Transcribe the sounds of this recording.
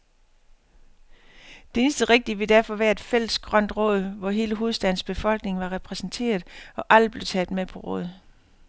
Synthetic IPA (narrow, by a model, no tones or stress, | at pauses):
d̥ee̝nsd̥əʁeɡ̥̚d̥iʋe̝d̥æɐ̰fɒ̽ʋæːɐe̝d̥fel̰əsɡ̥ʁɶn̰d̥ʁɔ̰̽ːð̞̩ˠʋɒɦe̝ːləɦo̝ðˠsd̥æn̰sb̥e̝fɒ̽l̰ɡ̥ne̝ŋʋɑ̈ʁɛpʰʁɛsn̩t͡sʰe̝̰ːɐð̞̩ˠɒ̽ʔæl̰d̥̚ble̝ʊt͡sʰɛːð̩̥ˠmepʰɒ̽ʁɔ̰̽ːð̞ˠ